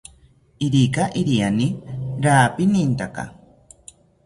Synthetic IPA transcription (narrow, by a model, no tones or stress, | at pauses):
iɾikaʔiɾianiɾaːpinint̪aka̰